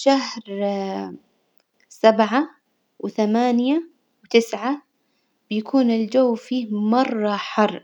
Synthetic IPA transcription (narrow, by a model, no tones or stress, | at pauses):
ʃaɦhɾ | sabʕa | wθamaːnja | wt̪ɪsʕa | b̥ɪjakʰuːnɪld͡ʒawːfiːhmɑrˤːɑħɑrˤː